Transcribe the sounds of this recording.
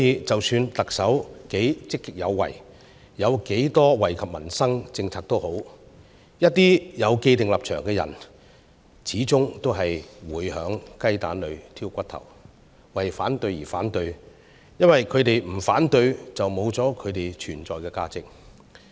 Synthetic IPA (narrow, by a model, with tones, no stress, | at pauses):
sɔ˥jiː˨˧t͡sɐ˨wsyː˧nt̪ɐ˨k̚sɐ˨˥wke˨˥jt͡sɪ˥kːɪ˥k̚jɐ˨˧wːɐ̰˨˩j | jɐ˨˧wke˨˥jt̪ɔː˥wɐ˨˩jkʰɐ˨p̚mɐ˨˩nsɐ˥ŋt͡sɪ˧ŋt͡sʰaː˨k̚t̪o˥who˨˥w | jɐ˥t̚t̪iː˥jɐ˨˧wke˧jt̪ɪ˨ŋlɐ˨p̚t͡ʃʰœː˨˩ŋkɛː˧jɐ̰˨˩n | t͡sʰiː˨˥t͡sʊ˥ŋt̪o˥wɦɐ˨jwuː˨˥jhœː˨˧˥ŋkɐ˥jt̪a̰ː˨˥nlɵ˨˧ɥt̪ʰiː˥wkʷɐ˥t̪ʰɐ̰˨˩w | wɐ˨jfaː˨˥nt̪ɵ˧ɥjiː˨˩fa̰ː˨˥nt̪ɵ˧ɥ | jɐ˥nwɐ˨jkʰɵ˨˧ɥt̪e˨jm̩˨˩faː˨˥nt̪ɵ˧ɥt͡sɐ˨wmo˨˧wt͡sɔː˨˥kʰɵ˨˧ɥt̪e˨jt͡ʃʰyː˨˩nt͡sɔː˨jkɛː˧kaː˧t͡sɪ˨k̚